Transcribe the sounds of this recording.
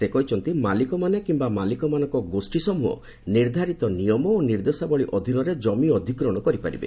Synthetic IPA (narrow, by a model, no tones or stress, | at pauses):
sekɔɦit͡ʃʰɔnt̪imalikɔmanekimbamalikɔmanɔŋkɔɡosʈisɔmuɔ̰ | niɾd̪ʱaɾit̪ɔnijɔmɔoniɾd̪esabɔɭiʔɔd̪ʱinɔɾed͡ʒɔmiɔd̪ʱikɾɔɽ̃ɔkɔɾipaɾḭbḛ